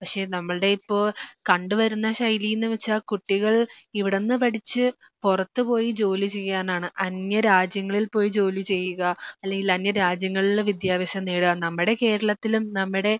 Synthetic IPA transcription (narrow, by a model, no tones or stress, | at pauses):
pɐkʂe̞ːnɐmːɐɭɨɽe̞ipːo̞ːɭkɐɳɖuʋɐɾunːɐɕɐjlijnːɨʋɐt͡ɕːaːkuʈːiɣɐɭiʋiɽe̞nːɨpɐɽit͡ɕːɨ | purɐt̪ːɨpo̞ːjid͡ʑo̞ːlit͡ɕe̞jɐaːnaːɳɨʔɐnjɐɾaːd͡ʑjɐŋːɐɭilpo̞ːjid͡ʑo̞ːlit͡ɕe̞jːuɣɐɐlːe̞ŋɡilɐnjɐɾaːd͡ʑjɐŋːɐɭiɭːeʋid̪jaːʋɐɕɐmneːɽuɐnɐmːiɽe̞ke̞ːɾɐɭɐt̪ːilumnɐmːiɽe̞